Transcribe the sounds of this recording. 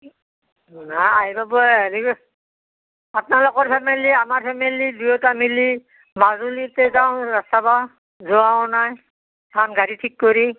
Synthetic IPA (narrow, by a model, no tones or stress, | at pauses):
aaɦibabɔli | apnalokɔɹpʰɛmeliamaɹpʰɛmilidujɔtamili | mazulitɛzaʊ̃ɹastaba | zɔãnaj | anɡaɹitʰikːoɹi